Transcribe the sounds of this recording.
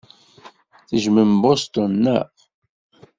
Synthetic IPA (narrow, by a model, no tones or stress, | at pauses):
θəʒməmbost̪ʊnːæ